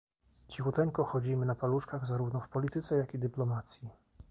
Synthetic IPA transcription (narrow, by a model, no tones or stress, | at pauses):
t͡ɕixut̪ɛŋkɔxɔd͡ʑimɘnapaluʂkaɣzaɾuvnɔfpɔlʲit̪ɘt̪sɛjakid̪ɘplɔmat̪sʲji